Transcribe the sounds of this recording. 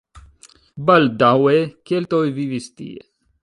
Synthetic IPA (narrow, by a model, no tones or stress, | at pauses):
bɐld̪aɦuekelt̪oːjʋiʋist̪ḭḛ